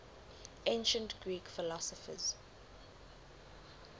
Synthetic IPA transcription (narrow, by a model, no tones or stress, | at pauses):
ẽnʃə̃ntɡ̥ɹiːkfɪlɔsɔfə̰z̥